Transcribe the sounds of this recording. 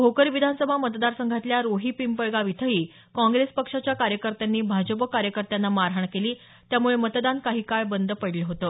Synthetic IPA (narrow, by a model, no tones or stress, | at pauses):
bʱokəɾiʋid̪ʱansəbʱamət̪d̪aɾsəŋɡʱat̪ljaɾoɦiːpimpəɭɡaʋit̪ʰəɦiː | kɔ̃ŋɡɾespəkʂat͡ɕjakaɾjəkəɾt̪janːiːbʱad͡ʑəpəkaɾjəkəɾt̪janːamaɾɦaɳkeliː | t̪jamuɭemət̪d̪ankaɦiːkajbənd̪əpəɽleɦot̪ə